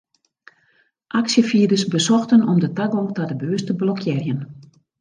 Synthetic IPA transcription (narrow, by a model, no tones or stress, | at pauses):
ʔaksjəfiədəsbəsɔxtənɔmdətaɡoːtadəbøːəstəblɔkʰjɪrjən